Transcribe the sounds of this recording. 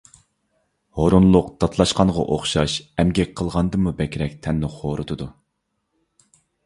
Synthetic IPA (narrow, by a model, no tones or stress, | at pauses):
hoɾunlˠʊqd̪̥ʰɑt̪ʰlˠɑʃqɑnʁɑ̰ʔoχʃɑʃɛmɡʲɛkʲqʰəlˠʁɑnd̪ɨmubɛkʲʰɾɛk̚ʲt̪ʰɛnːɪχoɾɨt̪ʰɨd̪u